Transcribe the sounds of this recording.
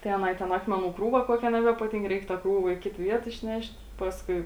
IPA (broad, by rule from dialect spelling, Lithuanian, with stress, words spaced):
tɐɪ ɐˈnɐɪ tʲɛn ˈɑːkmʲɛˌnuː ˈkruːʋɐ ˈkuɔkʲɛ nʲɛbʲɛpɐˈtʲiːŋk ˈrʲɛɪk tɐ ˈkruːʋɐ iː ˈkʲɪt ˈʋʲiɛt ɪʃʲˈnʲɛʃʲtʲ ˈpɑːskʊɪ